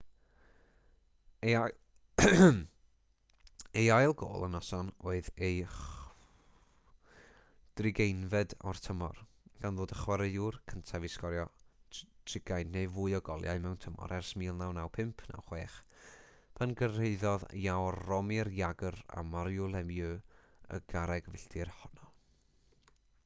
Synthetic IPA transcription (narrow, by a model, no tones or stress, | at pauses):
ejajlˠɡo̰ːlˠə̰nɔsɔnoːɨðej | d̥rɪɡejnvɛdɔrtʰəmɔ̰rɡ̥anðoːdəχwaɾəɨurkʰəntʰaviskɔɾjɔ | tʰrɪɡ̥ajnnejvʊjɔɡɔlˠja̰ɨmɛwntʰəmɔ̰ɾʔɛrsmiːlˠnawnawpʰɪmpʰna̰wχweːχ | pʰənɡəreɨðɔðjawrɔmirjaɡəɾa̰maɾjulˠɛmjø | ə̰ɡ̥aɾɛɡvɪɬd̥ɪrhɔnɔ